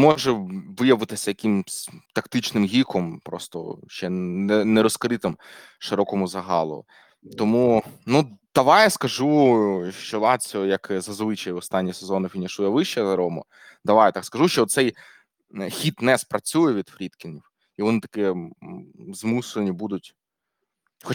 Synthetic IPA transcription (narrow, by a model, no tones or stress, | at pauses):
mɔʒɛʋɪjɐʋɪt̪ɪsʲɐjɐkimst̪ɐkt̪ɪt͡ʃnɪmɦʲikɔmpɾɔst̪ɔ̰ʃt͡ʃɛɛnɛɾɔskɾɪt̪ɪm | ʃɪɾɔkɔmʊzɐɦɑlˠɔ̰ | t̪ɔmunud̪̥ɐʋɑjɛskɐʒuʃt͡ʃɔlˠɑt͡sʲɔjɐkzɐzʋɪt͡ʃɐjiɔst̪ɑnʲːisezɔnɪfʲinʲiʃujɛʋɪʃt͡ʃɛzɐɾɔmʊ̰ | d̪ɐʋɑjɛt̪ɑkskɐʒuʃt͡ʃɔɔt̪sɛj | xʲit̪nɛspɾɐt͡sʲujɛʋʲid̪fɾʲit̪kʲɪniw | iʋɔnɪt̪ɐ̥kɛ | zmusenʲibud̪ʊtʲ | xɔ